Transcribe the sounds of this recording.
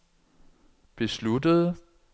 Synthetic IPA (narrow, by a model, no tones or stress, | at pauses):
b̥e̝sludəð̞ˠ